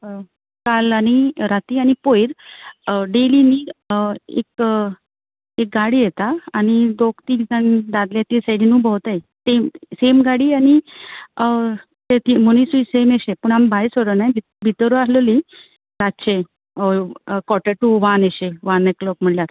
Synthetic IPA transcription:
kalañiɾat̪iːañipojɾ | ɖeliniː | ḛk̚ | ek̚ɡaɽijet̪aːñid̪okt̪iːit̪and̪ad̪ljat̪isaɽinũːbʱəwt̪aj | t̪esemɡaɽiːañi | t̪et̪imunisuisemeɕepəɳambʱajsəɽənajbʱi | bʱit̪əɾuasləli | ɾat̪t͡ɕe | kɔʈeʈːuʋaneɕeʋãneklɔk̚m̤əɽljaɾ

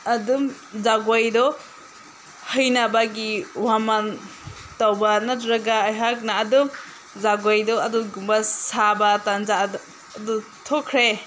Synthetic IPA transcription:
ɐdum | zaɡojdɔ | həjnabaɡiwaman | tawbanatɾaɡaːjɦak̚naːdum | zaɡojdɔɐduɡumbasabatanzadː | du | tʰɔkʰɾe

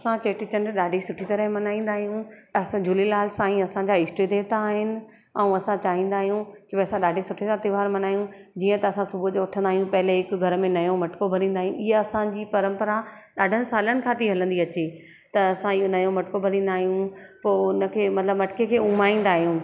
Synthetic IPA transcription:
ɐsãt͡ɕeːʈɪt͡ɕɐnɗaːɖʱisʊʈʰit̪ɐɾəɦmɐnaːĩːn̆d̪aːɦijũɐsd͡ʑʱʊlilaːlsãːĩɐsãɲd͡ʑaɪsʈɾid̪eːt̪aːɦɪnɪ̆ | ɛ̃ũɐsãt͡ɕaːɦĩːnd̪aːɦijũkɪbeɐsãɗaːɖʱisʊʈʰisãt̪ɪʋaːɾmɐnaːɦijũ | d͡ʑiːə̃t̪ɐɐsãsʊbʱud͡ʑoʊʈʰə̃nd̪aːɦijũpɐɦɪleɦɪkɡʱɐɾə̆mẽnɐjõmɐʈkobʱɐlĩːnd̪aːɦijũʔɪɦəɐsãd͡ʑiːpɐɾə̃mpəɾa | ɗaːɖʱənɪ̆saːlənɪ̆kʰãt̪ʰiɦɐlə̃nd̪iɐt͡ɕe | t̪ɐɐsãijõnɐjõmɐʈɪkobʱɐlĩːn̆d̪aːɦijũpoːʊnə̆kʰeːmɐt̪ləbmɐʈɪ̥kekʰeːʊ̃maːĩːn̆d̪aːɦijũː

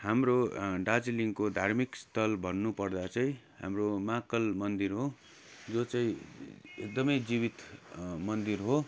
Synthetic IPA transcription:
hamroɖad͡ziliŋkod̪ʱarmikst̪ʰʌlbʱʌnːupʌrd̪at͡saĩ | ɦa̰mromakʌlmʌnd̪irɦo | d͡zot͡saĩek̚d̪ʌmʌjd͡zibit̪mʌnd̪irɦo

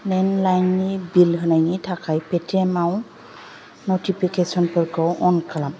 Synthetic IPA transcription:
nɛnlajnibilɦɯnajnitʰakajpɛtiɛmaw | notipʰikesɔnpɔɹkɔwʔɔnkʰalam

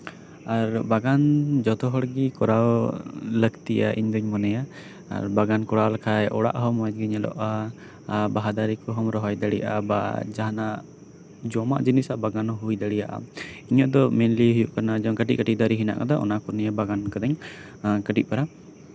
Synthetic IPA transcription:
aɾbaɡand͡ʒɔt̪ɔɦɔɽɡikɔɾawləɡt̪iʔa̰ʔḭɲd̪ɔɲmɔnɛja | a̰ɾbaɡankɔɽalkʰajʔɔɽa̰ʔɦɔmad͡ʒ̪ɡiɲɛlɔ̰ʔa | baɦad̪aɾikɔɦɔmɾɔɦɔjd̪aɽḭjaʔa̰ba̰d͡ʒaɦana | d͡ʒɔmaʔd͡ʒinisaʔbaɡanɔɦujd̪aɽijaʔa̰iɲɔʔd̪ɔmɛnliɦujuʔkanad͡ʒɔŋkəʈiʔ̚kəʈiʔ̚d̪aɾiɦina̰ʔkad̪ɔʔɔ̰nakuɾnijabaɡankɔd̪ɔɲ | kəʈiʔ̚paɾa

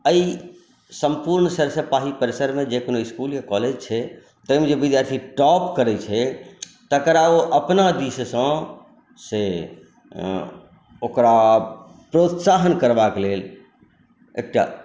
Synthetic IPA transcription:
əi | səmpuɾnsəɾsəpaɦipəɾesəɾmẽd͡ʒekonoiskuljakɔled͡ʒt͡ʃʰɛ | t̪əjmed͡ʒebid̪jaɾt̪ʰiʈɔpkəɾɛt͡ʃʰɛ | t̪əkɾaoʔəpnad̪issə̃ | se | okɾa | pɾot̪saɦənkəɾbakelel | ḛk̚ʈa̰

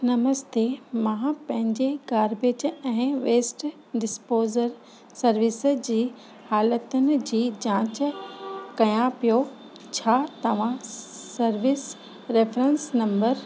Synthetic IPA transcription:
nɐməst̪emãːpɐ̃ɦɪ̃ɲd͡ʑeɡaːɾbeːd͡ʑɛ̃ːʋeːsʈ | ɖɪspoːzəɾ | sɐɾʋɪsd͡ʑiː | haːlət̪ʊnɪ̆d͡ʑiːd͡ʑãːt͡ɕ | kɐjãpijo | t͡ɕʰaːt̪ɐʋ̤ãsɐɾʋɪs | ɾeːfɾẽnsnɐ̃mbəɾ

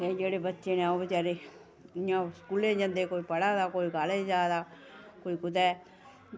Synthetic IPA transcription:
t̪eːd͡ʒeːɽeːbət̪ːʃeːnẽoːbət͡ʃaːɾe | jãːskuːlẽːd͡ʒə̃nd̪eːkoːiːpəɽaːd̪aːkoːiɡaːled͡ʒaːd̪aː | koːikʊt̪ɛː

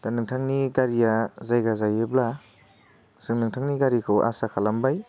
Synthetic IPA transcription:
tanɯŋtʰaŋniɡaɾijazajɡazajebla | sɯŋnɯŋtʰaŋniɡaɾikʰɯwa̰sakʰalambaj

